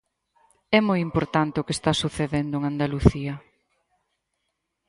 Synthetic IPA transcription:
ɛmojimpoɾt̪ant̪eʊkest̪asuθeðend̪ʊeŋand̪aluθiɐ

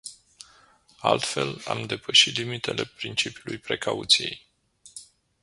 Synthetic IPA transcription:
alt̪fe̞lamd̪e̞pəʃit̪limit̪e̞le̞pɾint͡ʃipiulujpɾe̞kaut̪sije̞̰j

